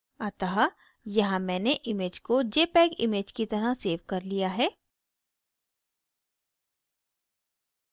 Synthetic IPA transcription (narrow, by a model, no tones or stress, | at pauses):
aːt̪aɦa | jɐɦãmɛ̃ːneʔɪmeːd͡ʒkod͡ʒeːpɛːɡɪ̰meːd͡ʒkit̪ɐɾaseːʋkɐɾlijaɦɛː